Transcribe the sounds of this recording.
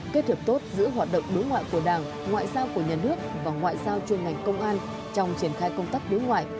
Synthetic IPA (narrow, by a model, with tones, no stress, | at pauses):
ke˦˧˥t̪ʰɨ˨˩p̚t̪o˦˥t̚zɨ̰˧˥ɦwaː˨˩t̚ɗə̰˧˨wŋ͡mɗɨ˨˦jŋwa̰ː˧˨jku˧˩əɗaː˧˩ŋ | ŋwa̰ː˧˨jzaː˧wku˧˩əɲaː˨˩nɨ˦˥ək̚vaː˨˩ŋwa̰ː˧˨jzaː˧wt͡ɕənŋa˨˩jŋ̟kə˧wŋ͡mʔaː˧n | t͡ɕɔ˧wŋ͡mt͡ɕi˧˩ənxaː˧jkə˧wŋ͡mt̪a˦˥k̚ɗɨ˨˦jŋwa̰ː˧˨jʔ